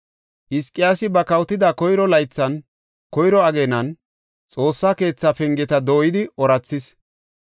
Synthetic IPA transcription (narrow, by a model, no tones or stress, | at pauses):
ʔɪskʼːɪjaːsɪbɐkɐwt̪ːɪd̪akɔjɾɔlɐjt͡sːɐn | kɔjɾɔɐɡeːnɐn | t͡sʼo̞ːsːake̞ːt͡sːafɛŋɡɛt̪ɐd̪o̞ːjɪd̪ɪɔɾɐt͡sːɪs